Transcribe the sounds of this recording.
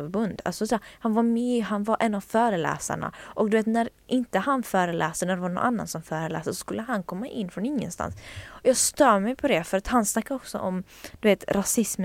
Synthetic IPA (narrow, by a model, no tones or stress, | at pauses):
ɾbɵnd̪a̰lsɔsɛhanvamiɦanvaʔɛnavfœːɾəlɛ̰ːsa̰ɳa̰ʔɔk̚d̪ɵveːt̪næɾʔɪnt̪əhanfœːɾəlʔɛːsaɳæɖ̪ɛvaɳɔ̰nʔa̰nːa̰nsɔmfœːɾəlɛ̰ːsd̪əsɔ̥skɵlːəɦankʰɔmːaʔɪnːfɾɔnɪŋːə̰nst̪a̰nsɔjɑːɡst̪œːmɛjpʰɔd̪ɛfœɾat̪hansnakːaɾɔksɔ̰ʔɔm | dd̪̥ɵveːt̪ɾʔasɪsm